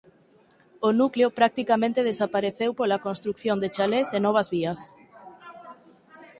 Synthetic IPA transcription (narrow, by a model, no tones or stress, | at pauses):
onukleopɾak̚t̪ikamẽnt̪eð̞esapaɾeθewpolakonst̪ɾukθjõnd̪et͡ʃalesenɔβ̞ɐzβiɐs